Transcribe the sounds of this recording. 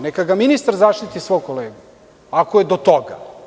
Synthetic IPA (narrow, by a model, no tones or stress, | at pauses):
nekaɡaminist̪aɾzaːʃt̪it̪isʋo̞jkoleːɡu | akojed̪ot̪oɡa̰